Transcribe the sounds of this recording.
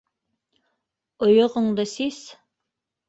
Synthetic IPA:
ŏjŏʁɤ̆ɴd̪ɤsis

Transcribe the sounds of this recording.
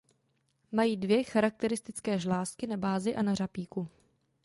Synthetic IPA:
majiːdvjɛxaɾak̚t̪ɛɾɪst̪ɪt͡skɛːʒlaːskɪnabaːzɪʔanarapiːku

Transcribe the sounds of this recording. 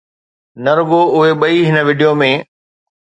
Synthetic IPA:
nɐɾʊɡoʊɦeɓɐiɦɪnəʋɪɖijomẽ

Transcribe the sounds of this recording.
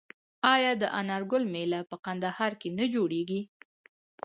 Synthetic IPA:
ɑjɑd̪əʔanɑɾɡʊlmelapəqand̪ahɑɾkenad͡ʒoɽeɡi

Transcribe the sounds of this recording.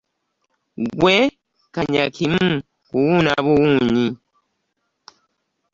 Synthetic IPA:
ɡwɛ | kaɲakʰim̩ | kuwunaβuwuɲi

